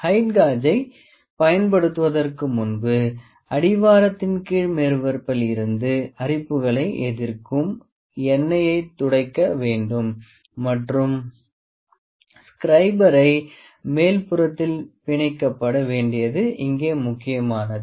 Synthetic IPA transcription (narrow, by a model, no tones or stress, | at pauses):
hɐjʈ̚ɡaːd͡ʒɐɪ | pɐjɐnpɐɽɯt̪ːɯʋɐðɐrkɯmʊnbɯ | ʔɐɽɪʋaːɾɐt̪ːɪnkiːɻmeːɾʋɐɾpɐlɪɾɯnd̪ɯɐrɪpːɯɣɐɭɐɪʔɛðɪrkɯm | ɛnːɐjɐɪt̪ːʊɽɐɪkːɐʋeːɳɖɯmː | ɐʈrɯm | skɾɐɪbɐɾɐɪ | meːlpɯɾɐt̪ːɪlpɪɳɐɪkːɐpːɐɽɐʋeːɳɖɪjɐðɯʔɪŋɡeːmʊkːɪjɐmaːnɐðɯ